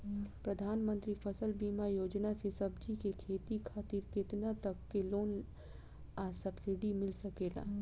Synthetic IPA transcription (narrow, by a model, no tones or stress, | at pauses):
pɾəd̪ʱaːnmənt̪ɾipʰəsəlbimajod͡ʒnasesəbd͡ʒikekʰet̪ikʰat̪iɾket̪nat̪əkːeloːn | asəbsiɖimɪlsəkela̰